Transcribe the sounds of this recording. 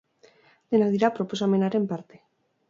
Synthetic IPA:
d̪̥enaðiɾapɾopos̬amenaɾe̞mpaɾt̪e̥

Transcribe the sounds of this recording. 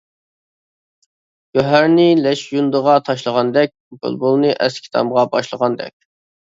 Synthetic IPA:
ɡ̥ʲøɦæɾnɪlɛʃjund̪əʁɑt̪ʰɑʃlˠəʁɑnd̪ɛk̚ʲbṵlbolˠnɨʔɛ̰skʲʰi̥t̪ʰɑ̰mʁɑbɑ̰ʃlˠəʁɑnd̪ɛ̰kʲ

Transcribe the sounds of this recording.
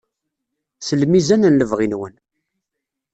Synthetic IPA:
səlmizænənləvʁinwən

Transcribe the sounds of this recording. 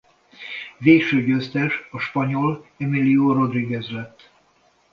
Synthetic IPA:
veːkʃøːɟøst̪ɛʃɒʃpɒɲo̞lɛmilioɾo̞d̪riɡɛzlɛt̪ː

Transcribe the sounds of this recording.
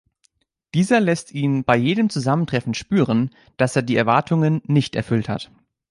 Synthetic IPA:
d̥iːzɐlɛstiːnb̥aɪjeːdəmt͡suzaməntʁ̥ɛfn̩ʃpyːʁən | d̥aseːɐdiːɛɐvaɐtʰʊŋənːɪçtɛ̰ɐfʏltha̰t

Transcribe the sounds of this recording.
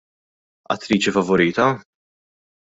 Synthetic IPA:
ɐ̰t̪ːɾiːt͡ʃifɐvɔɾiːt̪ɐ

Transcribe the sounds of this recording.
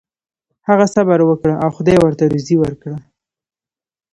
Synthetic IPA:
haɣasabaɾwəkɽaʔawxʊd̪ɑjwəɾt̪aɾuziwəɾkɽə

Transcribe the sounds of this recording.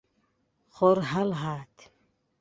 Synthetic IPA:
χɔɾɦalɦaːt̪ʰ

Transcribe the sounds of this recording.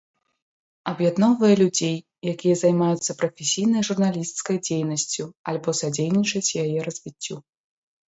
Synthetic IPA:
ɐbjad̪nɔvɐjɐlʲud͡zʲej | jakʲijɐzajmajut̪sːɐpɾɐfʲesʲijnɐjʐurnalʲist̪skɐjd͡zʲejnɐsʲt͡sʲualʲbɔsad͡zʲejnʲit͡ʂɐt͡sʲjajɛɾɐzʲvʲit͡sʲːu

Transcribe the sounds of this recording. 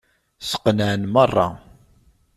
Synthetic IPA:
sə̥qːnəʕnmərˤːɑ̰

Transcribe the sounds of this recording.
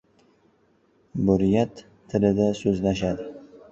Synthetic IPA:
bʊɾɪjat̪ʰː | ɪlɪd̪asɵzlaʃad̪ɪ

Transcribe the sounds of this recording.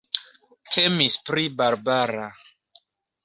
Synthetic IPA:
tʰemispɾibaɾbaɾa

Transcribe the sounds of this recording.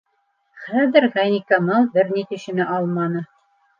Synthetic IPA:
χæðɘɾʁænʲikamɑlˠbɘɾnit̪ɵ̆ʃɘ̆nɘʔɑlˠmɑnɤ

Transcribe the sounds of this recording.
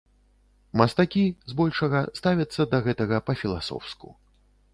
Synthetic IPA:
mɐst̪akʲizbɔlʲʂɐɣɐst̪avʲɐt̪sːɐd̪ɐɣɛt̪ɐɣɐpɐfʲilˠa̰sɔ̰wskṵ

